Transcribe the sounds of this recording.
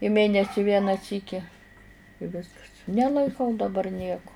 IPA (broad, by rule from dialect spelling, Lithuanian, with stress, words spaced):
ɪ ˈmʲeːnʲɛsʲɪ ˈʋʲiɛnɑː ˈsʲiːkʲɪ ɪ ˈʋʲɪskɐs nʲɛlˠɐɪˈkɐʊ dɐˈbɐr ˈnʲiɛkʊ